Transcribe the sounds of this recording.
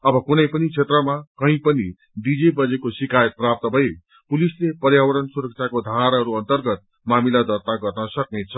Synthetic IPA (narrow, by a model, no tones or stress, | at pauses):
ʌbʌkunʌjpʌnit͡sʰet̪rʌmakʌɦĩpʌni | ɖ̪id͡zebʌd͡zekosikajʌt̪̚prap̚t̪ʌbʱʌe | pulislepʌrjawʌɾʌnsuɾʌk̚t͡sʰakod̪ʱaɾɦʌɾuʌnt̪ʌrɡʌt̪̚ | mamilad̪ʌrt̪aɡʌrnʌsʌk̚net͡sʰʌ